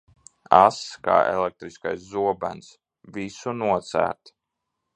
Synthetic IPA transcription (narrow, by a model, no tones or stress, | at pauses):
aska̰ːḛlɛk̚t̪ɾiskajszuɔbæns | visunuɔt̪sæ̰ːɾt̪